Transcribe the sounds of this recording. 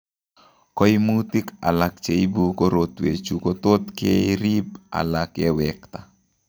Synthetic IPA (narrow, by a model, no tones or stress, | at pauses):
koimutika̰lak̚t͡ʃeibukoɾotwḛt͡ʃukotot̪keiɾip̚a̰lakɛwɛkta